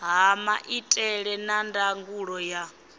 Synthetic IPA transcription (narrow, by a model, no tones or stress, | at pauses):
ɦamaʔitʼɛɺɛnandaŋɡuɺɔja